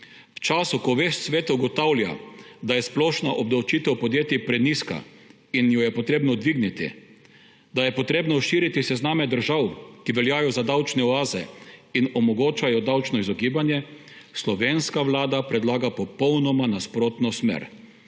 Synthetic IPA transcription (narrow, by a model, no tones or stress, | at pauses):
wt͡ʃaːsukɔʋeʃt̪sʋeːt̪uɡɔt̪awlja̰d̪ajɛsplɔːʃnaʔɔbd̪awt͡ʃit̪ɛwpɔd̪jeːt̪ipɾɛniska̰ | injɔjɛpɔt̪ɾeːbnɔd̪ʋiɡnit̪ḭ | d̪ajɛpɔt̪ɾeːbnɔʃiːɾit̪isɛznaːmɛd̪əɾʒawkiʋɛljaːjɔzad̪awt͡ʃnɛɔaːzɛ̰inɔmɔɡoːt͡ʃajɔd̪awt͡ʃnɔizɔɡiːbanjɛ | slɔʋeːnskaʋlaːd̪apɾɛd̪laːɡapɔpɔwnɔmanaspɾoːt̪nɔsmḛɾ